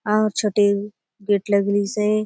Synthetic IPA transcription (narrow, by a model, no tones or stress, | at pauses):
ãːɦɾt͡ʃʰoʈe | ɡeːʈləɡlise